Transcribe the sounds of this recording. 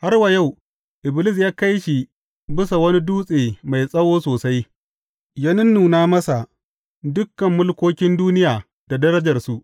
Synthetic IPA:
ha˦rwa˨ja˦˨w | ʔɪ˨bɪ˨lɪ˦˨s̬jaː˦ka˦jʃi˨ | bɪ˦sa˨wɐ˦ni˦duː˦sʼeː˨ma˨jsʼɐ˦woː˦soː˨sa˦j | ja˦nɪ˦nːuː˨naː˦mɐ˦sa˨ | dʊ˦kːɐ˨mːʊ˦lkʷoː˦kʲɪ˦nduː˦nɪ˦jaː˨ | d̥a˨dɐ˦ɾɐ˦d͡ʒɐ˨rsu˦ʔ

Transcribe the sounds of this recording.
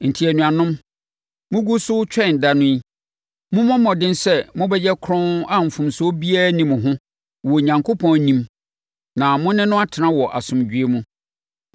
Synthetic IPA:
n̩˨tʰi˨æ˨nũ˨a˨nʊ̃˦m | mʊ̃˦ɡu˦sʊ˦t͡ɕᶣɛ˦˨n˨da˨nʊ̃˦i˦ | mʊ̃˦mɔ̃˦mɔ̃˨dɪ̃˦nsɛ˦˨mʊ̃˦bɛ˦jɛ˦kʰɾɔ̃˦na˦m̩˨fʊ̃˨mso˦bi˦a˦˨˦nĩ˨mʊ̃˨ɦʊ̃˦ | wɔ˨ɲã˨ŋkʰo˦pʰɔ̃˦nnĩ˦m | nã˨mʊ̃˦nɪ̃˦nʊ̃˦a˦tʰɪ˨nã˦wɔ˨ʔa̰˨sʊ̃˨md͡ʑᶣɥe˦mũ˦

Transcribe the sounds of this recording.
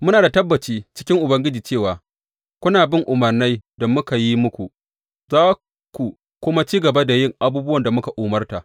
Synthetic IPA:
mʊ˦naː˨da˨tɐ˦bːɐ˨t͡ʃiː˦t͡ʃɪ̥˦kʲɪ˦ŋʔʊ˨bɐ˦ŋɡʲɪ˦d͡ʒiː˨t͡ʃeː˦˨waː˨ | kʷʊ˦naː˨bɪ˦˨ŋʔʊ˨mɐ˨rna˦jdɐ˨mʊ˦ka˨ji˦mʊ˦kʷu˨ | zaː˦ | ku˨ | kʷʊ˦ma˦t͡ʃiː˦ɡɐ˨ba˦da˨jɪ˦˨ŋʔa˦buː˦bʊ˦wɐ˨nda˨mʊ˦ka˨ʔuː˨mɐ˦rta˨

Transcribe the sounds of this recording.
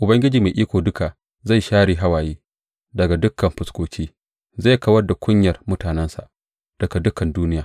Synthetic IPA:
ʔʊ˨bɐ˦ŋɡʲɪ˦d͡ʒiː˨ma˨ʔiː˦kʷoː˨dʊ˦ka˨ | za˦˨jʃaː˦ɽiː˨ɦa˦waː˨jeː˦ | dɐ˨ɡa˨dʊ˦kʰːɐ˨mɸʊ˨skʷoː˨kʰʲiː˦ | za˦˨kɐ˦wɐ˦rda˨kʷʰʊ˦ɲjɐ˨rmʊ˦taː˨nɛ˦nsa̰˨ | d̥ɐ˨ɡa˨dʊ˦kɐ˨nduː˦nɪ˦jaː˨

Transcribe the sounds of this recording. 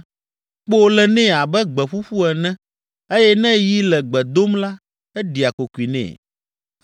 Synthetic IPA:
k͡po˦lɛ˨nɛ̃˦a˨bɛ˦ɡ͡bɛ˨ɸu˦ɸu˦ɛ˨nɛ̃˦ | e˦jɛ˦nɛ̃˦ji˦lɛ˨ɡ͡bɛ˨d̪o˦mla˦ | ɛ˦ɖi˨a˨ko˨ku˨i˨nɛ̰̃˨

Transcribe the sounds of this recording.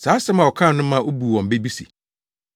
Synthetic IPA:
saː˨˦sɛ˦mã˨wɔ˨kʰã˦˨nʊ̃˦mã˦ʔo˦bu˨wɔ̃˨m˨be˦bi˦sḭ˨

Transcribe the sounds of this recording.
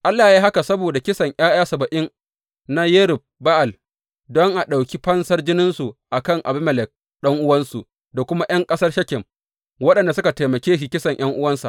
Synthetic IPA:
ʔa˦lːaː˨ji˦ɦa˦ka˨sɐ˦boː˨da˨kʲɪ˦sɐ˨ɲj̰aː˦jaː˦sɐ˨bɐ˨ʔɪ˦n | na˦je˦ɾɪ˨ɸ̚ba˦ʔa˨l | dɔ˦ŋʔa˨ɗa˨wkʲi˦ɸɐ˦nsɐ˦rd͡ʒɪ˦nɪ˦nsu˨ʔa˨kɐ˦˨ŋʔa̰˨bɪ˦mɐ˨lɪ˨k̚ | ɗɐ˦ŋʔʊ˦wɐ˦nsu˨ | da˨kʷʊ˦ma˦j̰ɐ˦ŋkʼɐ˦sɐ˦rʃɐ˦kʲɪ˨m | wɐ˦ɗɐ˨nda˨sʊ˦ka˨teː˨mɐ˨kʲeː˦ʃ̬i˨kʲɪ˦sɐ˨ɲʔj̰ɐ˦ŋʔʊ˦wɐ˦nsa̰˨ʔ

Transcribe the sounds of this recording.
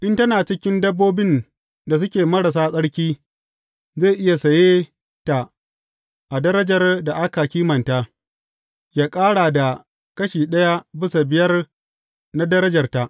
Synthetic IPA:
ʔɪ˦ntɐ˦naː˨t͡ʃɪ˦kʲɪ˦ndɐ˦bːoː˦bɪ˦n | da˨s̬ʊ˦kʲeː˨mɐ˦ɽa˨s̬aː˦sʼɐ˦ɽkʲiː˦ | zeː˦˨ʔɪ˦ja˨sɐ˨jeː˦ | ta˨ | ʔa˨dɐ˦ɾɐ˦d͡ʒɐ˨rda˨ʔa˦ka˨kʲiː˦mɐ˨nta˦ | jaː˦kʼaː˦ɽa˨da˨ | kɐ˦ʃiː˨ɗɐ˦ja˦bɪ˦so˨bɪ˨jɐ˦r | na˦dɐ˦ɾɐ˦d͡ʒɐ˨rta˨ʔ

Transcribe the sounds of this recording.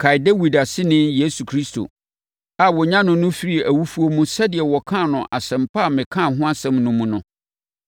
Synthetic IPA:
kʰa˨jde˦wi˨da˨sɪ˦nɪ̃˦nje˦su˨kʰɾi˦sto̰˨ | a˨wɔ˨ɲã˦nʊ̃˨nʊ̃˦fi˦ɾi˨æ˨wu˦fu˦o˦mũ˦sɛ˦dɪ˨ɛ˨wɔ˨kʰã˦˨nʊ̃˨ʔa˨sɛ̃˨mpʰa˦˨mɪ̃˨kʰã˦˨ɦʊ̃˦a˦sɛ̃˦mnʊ̃˨mũ˦nʊ̃˦

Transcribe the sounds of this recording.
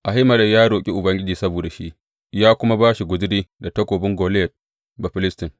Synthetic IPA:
ʔa˨ɦɪ˦mɐ˨lɐ˨jaː˦ɽoː˨kʲʼi˦ʔʊ˨bɐ˦ŋɡʲɪ˦d͡ʒiː˨sɐ˦boː˨da˨ʃi˦ʔ | jaː˦kʷʊ˦ma˦baː˦ʃi˨ɡʷʊ˨d͡ʒɪ˦diː˦da˨tɐ˦kʷoː˨bɪ˦ŋɡoː˨ljɛ˨t̚ | ba˨ɸɪ˦lɪ˦stɪ˨ŋ

